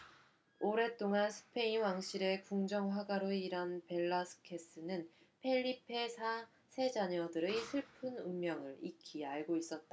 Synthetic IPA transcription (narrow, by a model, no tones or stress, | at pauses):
oɾe̞t͈oŋansʰɯ̥pʰe̞inwaŋɕʰiɾe̞kuŋd͡ʑʌŋɸwaɡaɾoiɾanpe̞ɭːasʰɯ̥kʰe̞s͈ɯnɯn | pʰe̞ʎːipʰe̞sʰa | sʰe̞d͡ʑaɲʌdɯɾesʰɯɭpʰɯnunmjʌŋɯɾikʰiaɭɡois͈ʌt̚t͈a